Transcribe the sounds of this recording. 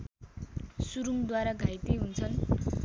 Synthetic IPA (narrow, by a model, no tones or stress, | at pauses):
suɾumd̪waɾaɡʱajt̪iɦunt͡sʰʌn